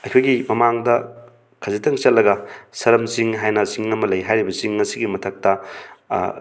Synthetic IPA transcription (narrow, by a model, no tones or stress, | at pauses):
ɐjkʰojɡimɐmaŋdɐ | kʰɐzitɐŋt͡ʃɐtlːɐɡɐsɐɾɐmsiŋɦajnɐsiŋɐmɐlɐjɦajɾibɐsiŋːɐsiɡimɐtʰɐk̚tɐ